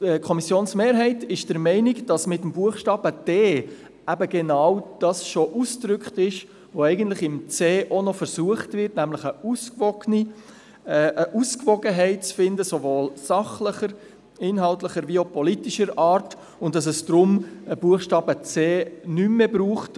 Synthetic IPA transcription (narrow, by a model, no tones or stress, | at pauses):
kʰɔmisjoːnsmeːɾɦɛɪtɪʃd̥əɾmɛɪnɪkd̥ɑsmɪtəmbuəχʃtɑːb̥əd̥eː | æbəɡɛnɑːwd̥ɑsʃoʔusd̥ɾʏkχtɪʃ | ʋoɛɪɡəntlɪχɪmt͡seːʔonɔfəɾsuəχtvɪɾtnæmlɪχəuskvɔɡ̥ni | ʔəʔuskvɔɡəɦɛɪt̚t͡sfɪndəsovoːlsɑχləχəɾ | ɪnɦɑltləχəɾviopɔlitiʃəɾɑːɾt | ʊntd̥ɑs̬ɛsd̥ɾʊməb̥uəχʃtɑːbət͡seːnymːebɾuːχt